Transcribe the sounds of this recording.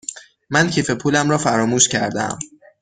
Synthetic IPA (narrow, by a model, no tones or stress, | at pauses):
mæncʰiːfe̞pʰuːlæmɾɒːfæɾɒːmuːʃcʰæɾd̪æ̰m